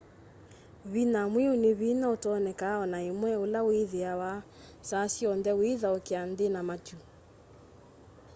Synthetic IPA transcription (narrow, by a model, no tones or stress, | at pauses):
βinamwioneβinaotɔnɛkaɔnaemwɛolawiðeawa | sasiɔndɛwiðaokeandenamat͡ʃu